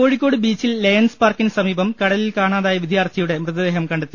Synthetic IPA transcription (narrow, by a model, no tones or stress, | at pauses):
o̞ːɻikʲːo̞ːɽɨbiːt͡ɕːilːeːnspaːrkinɨsɐmiːbɐmkɐɽɐlilkaːɳaːðaːjɐʋid̪ʱjaːrt̪ʰɐjuɽe̞mrɨðɐd̪eɦɐmkɐɳɖɐt̪ːi